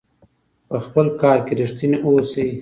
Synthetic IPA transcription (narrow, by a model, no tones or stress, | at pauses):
pəxpəlkɑːɾkeɾɪʂt̪ineʔosi